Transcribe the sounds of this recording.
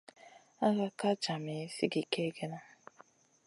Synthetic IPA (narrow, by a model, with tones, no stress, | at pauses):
a˦ɣa˦ka˦t͡ʃa˨me˨˦si˦ɡi˨ke˦ɡe˦na˦